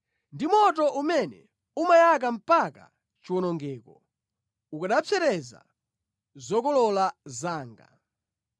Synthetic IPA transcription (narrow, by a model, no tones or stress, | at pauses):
ndimɔtɔʔumɛnɛ̰ | umajak̬am̩paka̰ | t͡ʃiwɔnɔŋɡɛːkɔ | ukaɗafʰɛɾɛza̰ | zɔkɔlɔlazaːŋɡa̰